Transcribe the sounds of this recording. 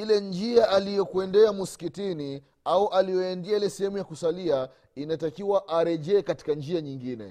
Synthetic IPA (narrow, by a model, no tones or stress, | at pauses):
ilɛnd͡ʒiaʔalijɔkuɛndɛamuskitini | auʔalijɔɛndiailɛsɛhɛmujakusalia | inatakiwaʔaɾɛʄɛːkati̥kand͡ʒiaɲiŋɡinɛ̰